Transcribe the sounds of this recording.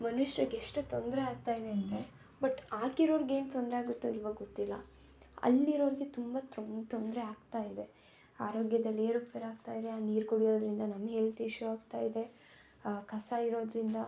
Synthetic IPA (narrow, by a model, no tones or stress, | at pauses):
mɐnuʂɐɾɐɡeʂʈut̪ond̪ɾeaːɡ̚t̪aːjid̪e̞ɐɳʈ̪ɾe | bɐʈːaːkiɾo̞ːɾiɡe̞ːnt̪ond̪ɾeaːɡut̪ːuilʋɐɡot̪ːilːɐ̰ | ɐ̰lːiɾo̞ːɾiɡet̪umbat̪ot̪ond̪ɾeaːɡt̪aːjid̪e̞ | aːɾo̞ːɡjɐd̪ɐlːeːɾupeːɾaːɡt̪aːjid̪eaːniːɾkuɽijo̞ːd̪ɾind̪ɐnɐmɐɡelt̪iːʃuaːɡt̪aːjid̪e̞ | kʰɐsaiɾo̞ːd̪ɾind̪ɐ